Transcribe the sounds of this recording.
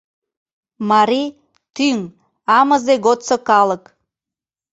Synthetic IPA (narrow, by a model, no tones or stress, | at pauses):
mɑɾi | t̪yŋ | ɑməzeɣot̪sokɑlək